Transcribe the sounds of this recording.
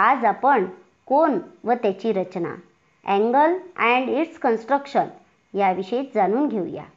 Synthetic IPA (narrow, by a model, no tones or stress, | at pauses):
ad͡zapəɳ | konʋət̪jat͡ɕiːɾət͡ɕna̰ | ɛ̃ŋɡəlɛɳɖiʈskənsʈɾəkʂən | jaʋiɕeit͡sd͡zañuːnɡʱewja̰